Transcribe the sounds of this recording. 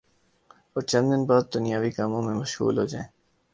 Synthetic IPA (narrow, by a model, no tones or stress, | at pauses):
ɔːɾt͡ʃɐ̃nd̪ɪnbaːd̪̚ːʊnijaːʋikaːmõmẽmɐʃɦṵːlɦod͡ʒaːẽː